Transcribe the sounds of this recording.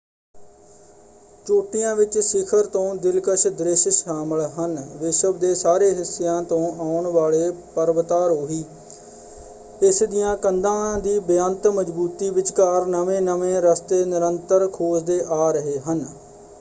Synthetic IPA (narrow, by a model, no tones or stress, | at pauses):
t͡ʃoːʈɪjãːʋɪt͡ʃsɪkʰəɾt̪õːd̪ɪlkəʃd̪ɾɪʃʃaːməɭɦənʋɪʃəbd̪eːsaːɾeːɦɪsːejãːt̪õːʔaːʊɳʋaːɭeːpəɾʋət̪aːɾɦoːɦiː | ɪsd̪ɪjãːkənd̪ãːd̪iːbjənt̪məd͡ʒbuːt̪iːʋɪt͡ʃkaːɾnəʋẽːnəʋẽːɾəst̪eːnɪɾənt̪əɾkʰoːsd̪eːʔaːɾəɦeːɦən